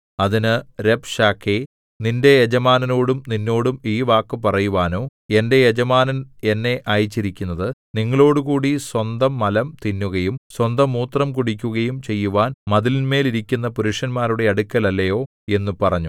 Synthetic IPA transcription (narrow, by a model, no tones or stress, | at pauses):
ɐðinɨɾe̞bʂaːkʰːe | ninde̞jed͡ʑɐmaːnɐno̞ːɽumninːo̞ːɽumiːʋaːkːɨpɐrɐjuʋaːno̞ːe̞nde̞jed͡ʑɐmaːnɐne̞nːe̞ʔaːjit͡ɕːiɾikʲːunːɐðɨniŋːɐɭo̞ːɽukuːɽiswɐnd̪ɐmːɐlɐmt̪inːuɣɐjumswɐnd̪ɐmuːt̪rɐmkuɽikʲːuɣɐjumt͡ɕe̞jːuʋaːnmɐðilinme̞ːliɾikʲːunːɐpuɾuʂɐnmaːɾuɽe̞ɐɽukʲːɐlɐlːɐjo̞ː | e̞nːupɐrɐɲːu